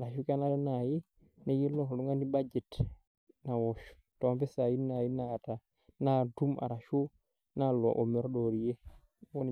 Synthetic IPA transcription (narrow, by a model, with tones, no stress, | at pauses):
a˨ɾa˨ʃu˦ka˦na˦ɾɛ˦na˨ji˦ | na˦ji˦lɔ˦kɗu˦ŋɡa˦ndi˦bad͡ʒɛ˨t | na˨wɔʃu̥ | tɔ˨a˨bɛ˦sa˨ji˦na˨ji˦nata˨ | na˦tu˦ma̰˨ɾa˨ʃu˦ | na˦lɔ˨ʔɔ˨mɛ˨ɾɗɔ˨ɾi˨jɛ˦ | wɔ˦n